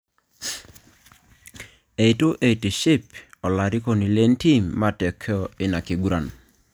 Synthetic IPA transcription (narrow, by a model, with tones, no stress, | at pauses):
e˨i˨tu˦ʔe˨i˨ti˨ʃi˦pɔ˨la˨ɾi˦ko˨ni˨le˦nti˦mːa˦tɛ˨kʰɔ˦ɪ˦na˨ki˨ɡu˦ɾa˨n